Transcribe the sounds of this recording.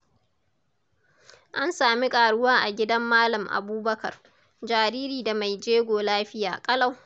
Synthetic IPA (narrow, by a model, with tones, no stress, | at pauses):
ʔa˦nsaː˨mi˦kʼaː˨ɽʊ˦waː˦ʔa˨ɡʲɪ˦dɐ˦mːaː˦lɐ˨mʔa̰˨buː˦bɐ˦kɐ̰˨r | d͡ʒaː˨ɾiː˦ɾiː˨da˨ma˨jd͡ʒeː˦ɡʷoː˨laː˦ɸɪ˦ja̰ː˨kʼɐ˦la˦˨w